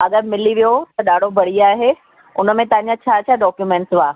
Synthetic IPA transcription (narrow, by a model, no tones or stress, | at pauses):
ɐɠəɾmɪliʋijot̪ɐɗaːɖ̤ʱobʱɐɽ̤iaːɦe | ʊnə̆mẽt̪ɐɦə̃ɲd͡ʑãt͡ɕʰaːt͡ɕʰaːɖɔːkjumẽːɳʈsʋaː